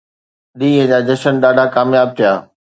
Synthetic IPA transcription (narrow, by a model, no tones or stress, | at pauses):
ɗ̪iːɦə̃d͡ʑaːd͡ʑɐʃənɗaːɖʱakaːmjaːb̚t̪ʰijaː